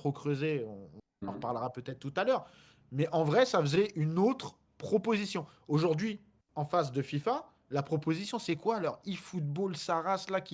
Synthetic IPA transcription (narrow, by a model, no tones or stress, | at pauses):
t̪χokχøzeɔ̃ɔ̃ | ɑ̃ʁpaʁləʁapøt̪ɛt̪χt̪ut̪alœʁ | mɛʔɑ̃vʁɛsafəzɛʔynot̪χ | pχɔpozisjɔ̃ | oʒuʁd̪ɥi | ɑ̃fas̬d̪əfifa | lapχɔpozisjɔ̃sɛkwalɔʁifut̪̚bolsaʁaslakʲi